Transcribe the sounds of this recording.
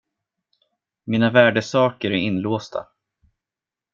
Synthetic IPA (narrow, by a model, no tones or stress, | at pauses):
miːnavæːɖəsɑːkəɾæɾɪnːloːst̪ʰa̰